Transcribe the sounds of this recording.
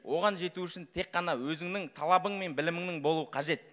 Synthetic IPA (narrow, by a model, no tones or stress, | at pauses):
wʔo̞ʁɑnʒe̞t̪uʏʃɪnt̪ʰe̞qːɑnɑwɵzɪŋnɪŋt̪ʰɑlˠɑbəɴme̞nbɪlɪmɪŋnɪŋbo̞lˠuəqʰɑʒe̞t̪